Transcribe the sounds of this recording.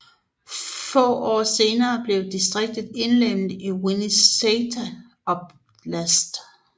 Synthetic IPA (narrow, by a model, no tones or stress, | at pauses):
fɔ̰̽ːɒ̰ːse̝ːnɐːb̥le̝ʊd̥isd̥ʁeɡ̥̚d̥ð̩ˠe̝nlem̰diwiniset͡sʰæ | ɒb̥ | læsd̥